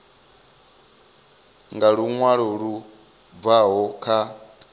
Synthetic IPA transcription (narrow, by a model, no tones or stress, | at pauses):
ŋɡaɺuŋwaɺɔɺu | vaɦɔkʰa